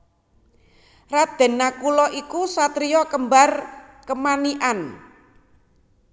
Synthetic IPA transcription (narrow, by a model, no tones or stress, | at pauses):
rad̪̥ɛ̤nːakulɔʔikusat̪ɾijɔkəmbar | kəmaniʔan